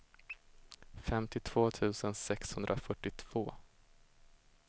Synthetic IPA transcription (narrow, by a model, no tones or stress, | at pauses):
fɛmt̪ɪt̪ʰv̥oːt̪ʰʉ̟ːsənsɛkshɵnd̪ɾafœʈːɪt̪ʰv̥oː